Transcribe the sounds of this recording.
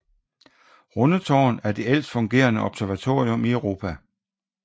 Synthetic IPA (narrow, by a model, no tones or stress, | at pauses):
ʁɔnət͡sʰɒ̰ːnæɐd̥e̝el̰sd̥fɔ̽ŋɡ̥e̝̰ːɐnəʔɒ̽b̥sæɐʋæt͡sʰo̝ːʁio̽miœʊʁo̝ːpʰæ